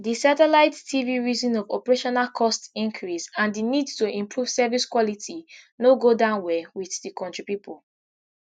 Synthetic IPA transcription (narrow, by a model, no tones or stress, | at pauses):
disatɛlaɪttʰiviɹizĩnɔvɔ̰pɛɹeʃɔnalkʰɔstĩŋkʰɹisãndinidtuʔĩmpʰɹuv̥sɛviskwɔlitʰinoɡodãʊ̃nwɛwiθdikʰɔ̃ntɹipipʰol